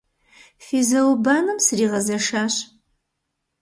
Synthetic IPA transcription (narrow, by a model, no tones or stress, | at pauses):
fiːzɐwbaːnɨmsɨriːʁɐzɐʂaːɕ